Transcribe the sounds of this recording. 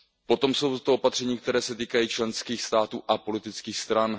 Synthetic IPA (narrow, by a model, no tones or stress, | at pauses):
po̞t̪o̞mso̞wzat̪oopat̪r̥ɛɲiːk̚t̪ɛɾɛːsɛt̪iːkajiːt͡ʃlɛnskiːxst̪aːt̪uːʔapo̞lɪt̪ɪt͡skiːxst̪ɾan